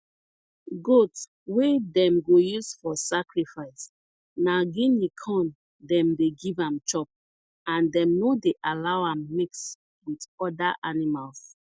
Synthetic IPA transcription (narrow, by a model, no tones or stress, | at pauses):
ɡot | wedɛ̃mɡojusfɔsakɹifaɪs | naɡĩnikʰɔ̃n | dɛ̃mdeɡivãmt͡ʃɔp̚ | ãndɛ̃mnodeʔalawãmːiks | witɔdaʔanimals